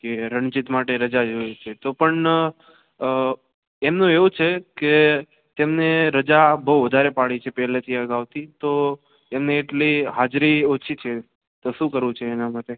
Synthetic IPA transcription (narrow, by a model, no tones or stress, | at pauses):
keɾəɳt͡ʃit̪maʈeɾəd͡ʒad͡ʒojt͡ʃʰet̪opəɳ | emnũeʋũt͡ʃʰeke | t̪emneɾəd͡ʒabəwʋəd̪ʱaɾepaɽit͡ʃʰepɛɦlet̪ʰiəɡaʋt̪it̪o | emneːʈliɦad͡ʒɾiot͡ʃʰit͡ʃʰe | t̪oʃũkəɾʋũt͡ʃʰeːnamaʈe